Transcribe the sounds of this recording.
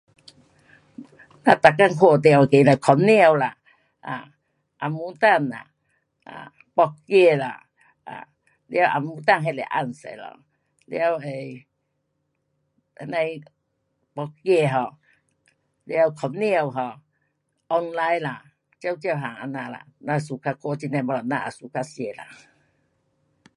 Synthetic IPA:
na˧t̪a˨kːa˧˨ŋkʰwo˧˩t̪e˧˨wke˨la˨kʰɔ˨˦mni˦˧ə˧˨wla˨ | ʔa˨˩ | ʔa˨mu˧˦t̪a˥˧˨nla̰˨ | ʔa̰˨ | k͡pɔ˧k̚ke˧la̰˨ | a̰˨ | lja˧˦wʔa̰˨˩mu˧˦t̪a˦˧nɦe˧˨le˨ʔa̰˧˩nsḛ˨lɔ̰˧˨ | lj̰a˧we˨˧ | nã˧j | k͡pɔ˧k̚ke˧ɦɔ̃˧˨ | lja˧wkʰɔ˧˦mni˦ə˨wɦɔ˧˨ | ʔɔ˧nla˧jla˨ | t͡ɕja˧˦wt͡ɕjwɦa˨ŋa˧na˧la̰˨nã˧su˨kʰa˧ko˧˦t͡ɕi˧nã˧bɔ˧la˨˩nã˧ʔa˨su˨˦kʰa˧sje˧˩la̰˨

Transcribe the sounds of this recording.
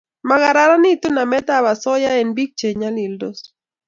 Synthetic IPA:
ma˨ɡa˨ɾa˦ɾa˦nɪ˦t̪o˦na˨mɛ˦t̪a˦βa˨sɔ˦ja˦e˨nbi˦k̚t͡ʃe˨ɲa˦li˨ldo˦s

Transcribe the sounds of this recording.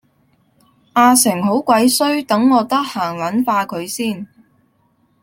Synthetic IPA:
ʔaː˧sɪ˨˩ŋɦo˨˥wkʷɐ˨˥jsɵ˥ɥt̪ɐ˨˥ŋːɔː˨˧t̪ɐ˥k̚haː˨˩ŋlɐ˨˥nfaː˧kʰɵ˨˧ɥsiː˥˩n

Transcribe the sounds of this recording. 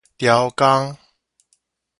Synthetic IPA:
t̪ja˨˦wka˦˥ŋ

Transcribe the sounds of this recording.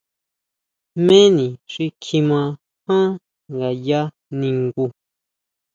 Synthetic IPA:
mẽ˦nĩ˨ʐi˧kʰi˧mã˧ | hã˦ | ŋɡa˨ja˦ | nĩ˧ŋɡu˧

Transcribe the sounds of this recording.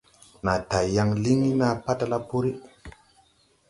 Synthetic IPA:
na˨ta˨ja˦ŋli˦ŋi˦na˦˨pa˦ta˦la˦pu˦ɾi˦

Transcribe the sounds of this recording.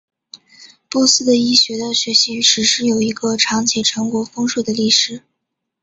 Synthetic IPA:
pɔ˥˩sɹ̩˥˩d̪ə˨i˥ɕɥɛ˧˥d̪ə˧ɕɥɛ˧˥ɕi˧˥y˧˥ʂɻ̩˧˥ʂɻ̩˥jo˨˩ʊi˧˥ɡə˧ʈ͡ʂʰɑ˧˥ŋt͡ɕʰjɛ˨˩ʈ͡ʂʰɤ˧˥ŋkwɔ˧˥fɤ˥ŋʂwu˥˩d̪ə˩li˥˩ʂɻ̩˨˩˦

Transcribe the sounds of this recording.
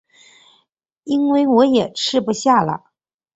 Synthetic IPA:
i˥nwe˥˩ɪwɔ˧˥jɛ˨˩ʈ͡ʂʰɻ̩˥˩pu˧˩ɕja˥˩lə̰˩

